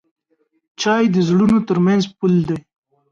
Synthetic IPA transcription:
t͡ʃɑjd̪əzɽunot̪əɾmanzpuld̪aj

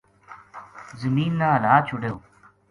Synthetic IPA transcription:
zəmiːnːaːlaːt͡ʃʰʊɖeoː

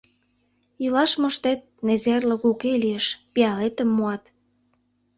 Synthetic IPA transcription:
ilɑʃmŏʃt̪et̪̚mezerlə̆ɣukeliəʃpiɑlet̪ə̆mːuɑt̪

